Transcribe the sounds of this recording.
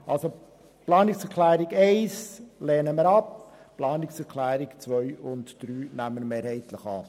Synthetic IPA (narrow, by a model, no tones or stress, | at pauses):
ʔɑlso | plɑːnɪksɛkʰlæːɾiɡeɪsleːnəməɾɑp | plɑːnɪksɛɾkʰlæːɾɪkt͡sʋœʏʊntd̥ɾyːnæmːəɾmeːɾhɛɪt̪ləχɑ̰ː